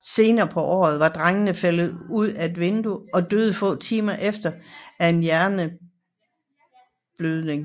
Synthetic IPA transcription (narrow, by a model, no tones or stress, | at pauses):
se̝ːnɐːpʰɒ̽ʔɒ̰ːð̞̩ˠʋɑ̈d̥ʁaŋənəfel̰ð̩ˠuð̞̰ˠæe̝d̥ʋe̝nd̥uɒ̽d̥øːð̞̩ˠfɔ̰̽ːt͡sʰiːmɐʔefd̥ɐæe̝njæɐnə | b̥løðˠne̝ŋ